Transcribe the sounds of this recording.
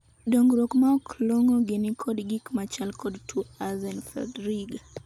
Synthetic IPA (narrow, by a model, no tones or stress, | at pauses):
dɔŋɡɾɔkmaɔklɔŋɔɡenikʰɔdɡikmat͡ʃalkɔdtʰuazɛnfɔ̰dɾiɡa